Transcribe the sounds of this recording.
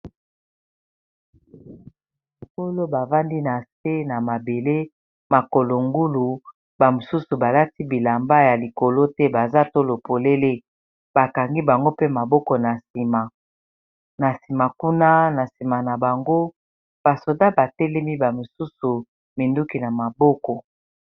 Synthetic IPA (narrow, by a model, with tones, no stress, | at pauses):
ko˦lo˦ba˨va˦ndi˦na˨se˦na˨ma˨be˨le˦ | ma˨ko˨lo˨ŋɡu˦lu˨ | ba˨mo˨su˦su˨ba˨la˦ti˦bi˨la˨mba˦ja˨li˨ko˨lo˦tɛ˦ba˨za˦to˦lo˨po˨le˦le˦ | ba˨ka˨ŋɡi˦ba˨ŋɡo˦pe˦ma˨bɔ˦kɔ˨na˨si˨ma˨ | na˨si˨ma˨ku˦na˦na˨si˨ma˨na˨ba˨ŋɡo˦ | b̥a˨so˨da˦ba˨tɛ˦lɛ˦mi˦ba˨mo˨su˦su˨ | mi˨ndu˦ki˨na˨ma˨bɔ˦kɔ˨